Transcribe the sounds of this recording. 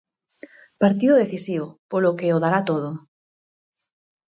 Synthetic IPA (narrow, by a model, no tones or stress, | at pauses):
paɾt̪̬iðoðeθisiβopolokeoðaɾat̪oð̞o